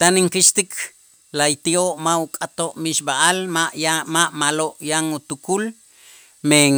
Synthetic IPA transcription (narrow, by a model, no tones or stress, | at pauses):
t̪aniŋkiʃt̪ikʰ | lajt̪ioʔmaukʼat̪oʔmiʃbaʔalaʔmaʔmaloʔjaŋut̪ukul | meŋ